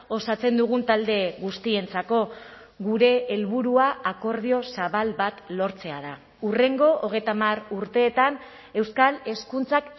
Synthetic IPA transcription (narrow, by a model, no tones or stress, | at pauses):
o̞sat͡se̞nd̪uɣ̞unt̪ald̪e̞ɣust̪ie̞nt͡sako̞ | ɣuɾe̞ːlβuɾuaːko̞ɾðio̞saβalβat̪lo̞ɾt͡se̞aða | ure̞ŋɡo̞ʔːɣ̞e̞jt̪amaruɾt̪e̞ːt̪an | e̞wskale̞skunt͡sak